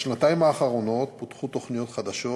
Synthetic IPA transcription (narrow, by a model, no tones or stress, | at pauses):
ʃnat̪aimaːχaʁo̞no̞t̪pot̪χut̪ːo̞χnijo̞t̪χad̪aʃo